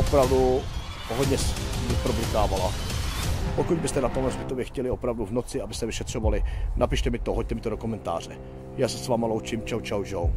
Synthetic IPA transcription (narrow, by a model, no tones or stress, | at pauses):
opɾavdu | ɦoɟɲɛsvipɾoblik̪aːvala | pokuɟ̚bɪst̪ɛnat̪omlɛzbɪt̪ovjɛxcɛlɪopɾavduvnot͡sɪabɪst̪ɛvɪʃɛt̪r̝̥ovalɪnʔapɪʃt̪ɛmɪt̪oɦoc̚t̪ɛmɪt̪odokomɛnt̪a̰ːr̝ɛ | jaːsɛsvaːmalowt͡ʃimt͡ʃawt͡ʃawd͡ʒow